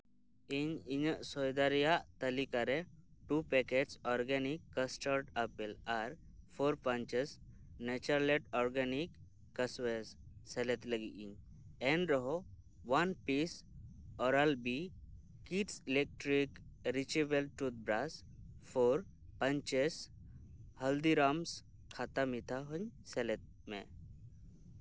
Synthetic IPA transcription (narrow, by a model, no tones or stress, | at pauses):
iɲiɲəsɔjd̪aɾjaʔt̪əlikaɾeʈupɛkeʈsɔɾɡɛnikːəsʈəɾʈapilaɾ | foɾpə̃ɲt͡ʃes | nɛt͡ʃəɾleʈɔɾɡanikː | əsʋesːɛlɛt̪ləɡḭʔiɲ | ɛnɾɔɦo | ʋanpisɔɾalbi | kiʈsilek̚ʈɾikɾit͡ʃibelʈut̪̚bɾas | fʰoɾ | pɐ̃ɲt͡ʃes | hɐld̪iɾams | kʰat̪amit̪ʰaɦoɲselet̪̚ | mḛ̃